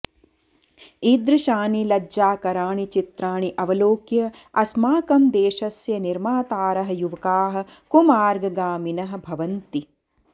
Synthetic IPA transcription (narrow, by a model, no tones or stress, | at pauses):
id̪ɾɐʃaːnilɐd͡ʒaːkɐɾaːɳit͡ʃit̪ɾaːɳiʔɐʋɐloːkjɐɐsmaːkɐmd̪eːʃɐsjɐniɾmaːt̪aːɾɐɦɐ̆juʋɐkaːɦɐ̆kumaːɾɡɐɡaːminɐɦɐ̆bʱɐʋɐnt̪i